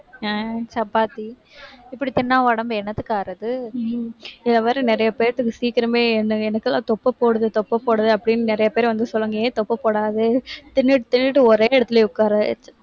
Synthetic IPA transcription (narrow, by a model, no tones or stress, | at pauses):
t͡ʃɐpːaːt̪i | ɪpːɐɽit̪ɪnːaːʋɐɽɐmbɛnːɐt̪ːɯkːaːɾɐðɯ | ɪlːɐʋaːɾɯnɪɾɐjɐpeːɾt̪ːɯkːɯsiːkɪɾɐmeːɛnːɯɛnɐkːɛlːã̰ːt̪ɔpːɐpoːɽɐðɯt̪ɔpːɐpoːɽɐðɯɐpːɐɽɪnːnɪɾɐjɐpeːɾʋɐnd̪ɯsɔlːɯŋɡɐẽːt̪ɔpːɐpoːɽaːðɯt̪ɪnːɪʈɯt̪ɪnːɪʈːɯɔɾeːɛɽɐt̪ːɪleːʊkːaːɾɐt͡ʃː